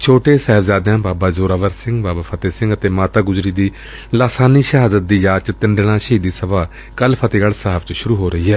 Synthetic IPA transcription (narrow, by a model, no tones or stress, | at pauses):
t͡ʃʰoːʈeːsɛːɦɪbzaːd̪jãːbaːbaːzoːɾaːʋəɾsɪ̃ŋɡbaːbaːpʰət̪eːsɪ̃ŋɡət̪eːmaːt̪aːɡʊzɾiːd̪iː | laːsaːniːʃəɦaːd̪ət̪̚d̪iːd͡ʒaːt͡ʃt̪ɪnd̪ɽ̃aːʃɦiːd̪iːsəʋaː | kəlpʰət̪eːɡalsaːbt͡ʃʃʊɾuːɦoːɾəɦiːɦɛː